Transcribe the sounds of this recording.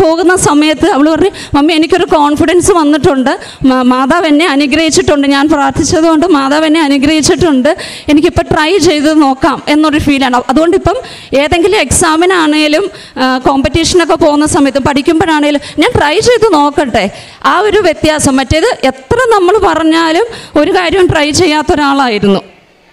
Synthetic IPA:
po̞ːɣunːɐsɐmɐjɐt̪ːɨɐʋiɭpɐrɐɲːu | mɐmːienikʲːo̞ɾuko̞ːɳfiɽɐnsɨʋɐnːiʈːuɳɖɨ | maːðaːʋɐnːe̞ɐnuɡɾɐhit͡ɕːiʈːuɳɖɨɲaːnpraːrt̪ʰit͡ɕːɐðuɣo̞ɳɖɨmaːðaːʋɐnːe̞ɐnuɡɾɐhit͡ɕːiʈːuɳɖɨ | e̞nikʲːipːoːʈrɐjt͡ɕe̞jt̪uɨno̞ːkːaːme̞nːoɾufiːlaːɳɐðuɣo̞ɳɖipːɐm | e̞ːðe̞ŋɡilume̞ksaːminaːɳeŋɡilum | ko̞ːmpitːiʂɐno̞k̬ːe̞po̞ːɣunːɐsɐmɐjɐt̪ːɨmpɐʈʰikʲːumboːɾaːɳeŋɡilumɲaːnʈrɐjt͡ɕe̞jt̪ːuno̞ːkːɐʈːe̞ | aːo̞ɾuʋje̞t̪jaːsɐmːɐtːeðɨʔe̞t̪rɐnɐmːɐɭpɐrɐɲːaːlumo̞ɾukaːɾjɐmʈrɐjt͡ɕe̞jːaːt̪ːo̞ɾuaːɭaːjiɾunːu

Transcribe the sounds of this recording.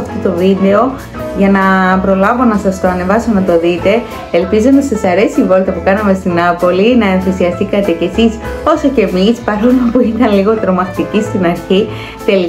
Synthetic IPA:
ɐft̪ot̪o̞vid̪e̞o̞ | ʝɐnɐpɾo̞lɐvo̞nɐsɐst̪oɐne̞vɐsonɐt̪o̞ðit̪e̞ː | lpizonɐsɐsɐɾe̞sivo̞lt̪ɐpukɐnɐme̞st̪inɐpo̞linɐenθisiɐst̪ikɐt̪e̞ce̞siso̞so̞ce̞mispɐɾo̞lopuit̪ɐnliɣo̞t̪ɾo̞mɐxt̪icist̪inɐɾçi | t̪e̞li

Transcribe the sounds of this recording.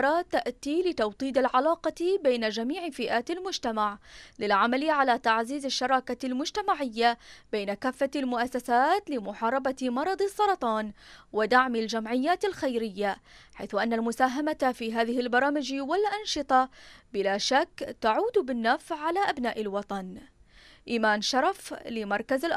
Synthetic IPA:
ɾˤɑt̪aʔt̪ilɪt̪ɑwt̪ˤiːd̪alʕalɑːqɑbajnad͡ʒamiːʕfɪʔaːt̪almʊd͡ʒt̪amaʕlɪlʕamaliʕalat̪aʕziːzɪʃːɑɾˤɑːkalmʊd͡ʒt̪amaʕɪjːabajnakaːfːalmʊʔasːasaːt̪lɪmʊħɑːɾˤɑbamɑɾˤɑd̪ˤɨsˤːɑɾˤɑt̪ˤɑːnwɪd̪aʕmald͡ʒamʕɪjːaːt̪ɪlxajɾɪjːaħajθʊʔanːalmʊsaːɦamat̪fiːɦaːðɪhɪlbɑɾˤɑːmɪd͡ʒwɪlʔɑnʃɨt̪ˤɑbɪlaːʃakːt̪aʕuːd̪bɪnːafsʕalaʔabnaːʔɪlwɑt̪ˤɑn | ʔiːmaːnʃɑɾˤɑflɪmɑɾˤkazɪlʔ

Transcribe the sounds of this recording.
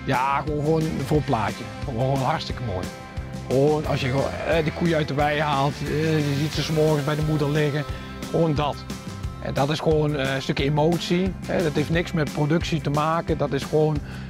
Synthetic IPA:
jaxoːnxʋoːnvoːpla̰ːcjə | oxoːnɦartstɪkəmo̰ːj | xʋoːnɑ̰sjəɛdəkujəœɥtəʋɛjhaːlˠtjəzitsəsmɔrɣəsbɛjdəmudəɹlɪɣə | xʋoːndɔtʔɛ̰ndɔtɪsxoːnstøkjəemowtsihɛ̰dɔtheftnɪksmɛt̚prodøksitəmaːkədɔtɪsxʋoːn

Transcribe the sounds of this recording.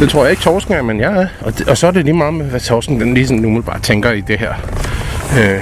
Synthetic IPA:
d̥e̝t͡sʰʁo̝ɐ̰jɑ̈e̝ɡ̥̚t͡sʰɒːsɡ̥n̩æɐmenjɑ̈æɒ̥̽ɒsɒ̽æɐdeliːmɑ̈ːð̩ˠmeʋæt͡sʰɒːsɡ̥ŋ̩d̥enliːsɒ̽n̩ːumelb̥ɑ̈ːt͡sʰeŋɡ̥ɐid̥e̝ɦæɐ̰ | ø

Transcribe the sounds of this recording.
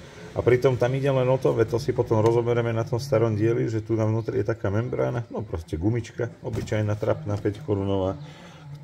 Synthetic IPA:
a̰pɾit̪ɔmt̪amiɟɛlɛnɔt̪ɔʋɛt̪ɔsipɔt̪ɔmɾɔzɔbɛɾɛmɛnat̪ɔmst̪aɾɔmɟɪɛliʒɛt̪unavnuːt̪ɾijɛt̪akaːmɛmbɾa̰ːnanɔpɾɔscɛɡumit͡ʃkaɔbit͡ʃajnat̪ɾa̰pnapɛckɔɾunɔʋaː | k

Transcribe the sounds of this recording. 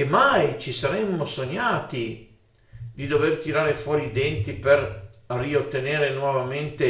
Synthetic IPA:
emajt͡ʃisaɾɛmːosoɲːaːt̪i | d̪id̪overt̪iɾaːɾefwɔːɾiːd̪ɛnt̪iperriot̪ːeneːɾenwɔvament̪e

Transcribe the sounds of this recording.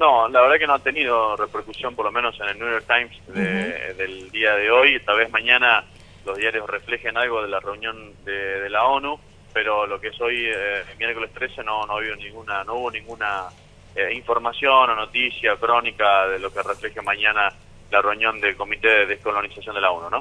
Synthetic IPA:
nolaβeɾðakenoat̪enið̞o̞repeɾkusjompoɾlo̞mẽnosenelnujoɾk̚t̪ajmsd̪eðeld̪iaðeojet̪alβezmaɲana | lo̞zðjaɾjosrefle̞xenalɣoðelareunjõ̞nd̪eðelao̞nu | peɾo̞lokeeso̞jmjeɾkolest̪ɾese̞nonoβionĩŋɡunanouβo̞nĩŋɡuna | eiɱfo̞ɾmasjo̞nonot̪isjakɾo̞nikaðelo̞kerefle̞xemaɲana | lareunjond̪elko̞mit̪eðehkolonisasjo̞nd̪elaonuno̞

